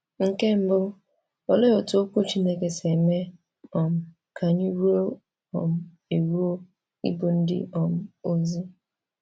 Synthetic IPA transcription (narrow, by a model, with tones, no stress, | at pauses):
ŋ̩˦ke˦m̩˦bʊ˦ | o˦le˦o˨to˦o˦ku˦t͡ʃi˦ne˦ke˨se˨me˦ | ɔ˨m̩˨ | kʰa˨ɲi˦ɾu˦o˦ | ɔ̰˨m̩˦ | e˨ɾu˦o˦ | ḭ˦bo˨n̩˦dɪ̰˦ɔ˨m̩˦o˦zi˦